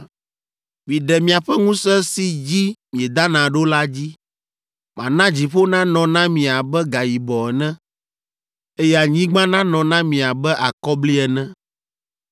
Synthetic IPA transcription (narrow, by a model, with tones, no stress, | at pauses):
vĩ˨ɖɛ˨mĩ˨a˨ɸɛ˦ŋũ˦sɛ˦si˦d͡ʑi˦mĩ˨ɛ˨d̪a˦nã˨ɖo˦la˦d͡ʑi˦ | mã̰˨nã˦d͡ʑi˨ɸo˦nã˦nɔ̃˨nã˦mĩ˨a˨bɛ˦ɡa˨ji˨bɔ˨ɛ˨nɛ̃˦ | e˦jɛ˦a˨ɲĩ˦ɡ͡bã˦nã˦nɔ̃˨nã˦mĩ˨a˨bɛ˦ʔa˨kɔ˦bli˦ɛ˨nɛ̃˦